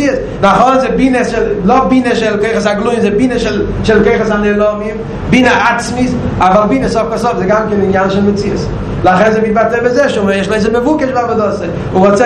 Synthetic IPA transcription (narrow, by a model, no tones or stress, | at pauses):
iəs | naχɔnnzɪbiːnəsʃɪlˠlɔbiːnəʃɪlˠkoʏχəs̬aɡlˠuɪmzebiːnəʃɪlˠ | ʃɪlˠkoʏχəsanelˠɔvɪm | biːnəʔat͡smis | avalˠbiːnəsɔfkasɔfzeɡamkɪnɪnjanʃɪnmət͡siəs | lˠaχɛnzeviːtbatɛbəzɛʃuməɛʃlˠeɪzəməvukəʃbabɔdɔsə | ʊvɔt͡sɛ